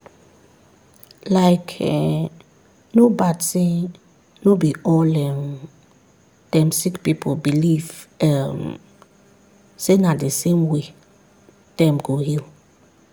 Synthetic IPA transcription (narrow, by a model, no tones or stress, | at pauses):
laɪkʰɛ | nobadse | nobiɔlɛ̃m | d̥ɛ̃msikpipʰobilivɛm | senadesẽmwe | d̥ɛ̃mɡohil